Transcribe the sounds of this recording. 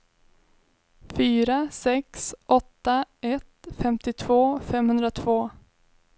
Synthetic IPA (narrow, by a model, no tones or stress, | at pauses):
fyːɾasɛksʔɔt̪ːaɛt̪fɛmt̪ɪt̪ʰvoːfɛmhɵnd̪ɾat̪ʰvoː